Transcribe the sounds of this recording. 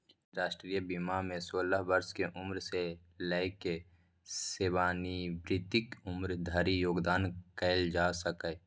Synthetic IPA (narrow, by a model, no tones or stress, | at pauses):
ɾaːʃʈɾiːjəbimamẽsoːləɦbəɾskeʔʊmɾse | ləɪke | seːwaːnibɾɪt̪ɪkʊmɾd̪ʱəɾijoːɡd̪aːnkɛːld͡ʒaːsəkə